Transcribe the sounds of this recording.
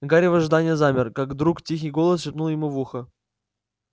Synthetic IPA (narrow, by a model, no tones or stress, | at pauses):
ɡaɾʲɪvəʐd̪anʲɪjəzamʲɪrkaɡd̪ɾuktʲix̬ʲijɡolˠəsʃʲɪpnulˠjɪmuvuxə